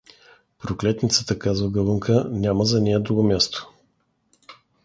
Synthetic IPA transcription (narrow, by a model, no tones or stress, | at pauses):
pɾoklɛt̪nit̪sət̪əkazvəɡəlˠɤŋkʰənʲaməzɐnʲɛjəd̪ɾuɡomʲjast̪o̥